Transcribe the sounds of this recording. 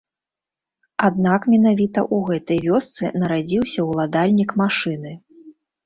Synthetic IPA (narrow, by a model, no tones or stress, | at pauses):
ad̪̚nakmʲɛn̪avʲit̪ɐ̰ʔuɣɛt̪ɐjvʲɔst̪sɨnɐɾad͡zʲiwsʲɐwlˠad̪alʲnʲikmaʂɨnɨ